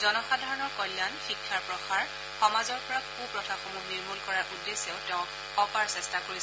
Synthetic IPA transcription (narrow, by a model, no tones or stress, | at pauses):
zɔnɔxadʱaɹɔnɔɹkɔljanxikʰːaɹpɹɔxaɹ | xɔmazɔɹpɔɹakkupɹɔtʰaxomumiɹmulkɔɹaɹʔudːeseʊtɛʊ̃ | ɔpaɹsɛstakoɹis